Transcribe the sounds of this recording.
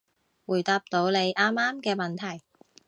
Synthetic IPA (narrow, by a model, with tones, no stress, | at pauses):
wuː˨˩jt̪aː˧p̚t̪o˨˧˥wne˨˧jʔaː˥mːaː˥mkɛː˧mɐ˨˩nt̪ʰɐ˨˩j